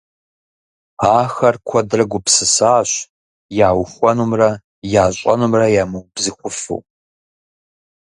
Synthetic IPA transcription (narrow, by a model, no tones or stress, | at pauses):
aːxɐrkʷʰɔdrɐɡʷʊpsɨsaːɕ | jaːwxʷɔnumrɐ | jaːɕʷʼɐ̰numrɐjaːmɨwbzɨχʷʊfṵ